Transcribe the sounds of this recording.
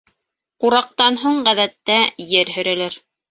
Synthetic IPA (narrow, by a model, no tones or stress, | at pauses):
uɾɑq̚t̪ɑnɦuɴʁæðæt̪ːæjɘɾɦɵ̆ɾælɘɾ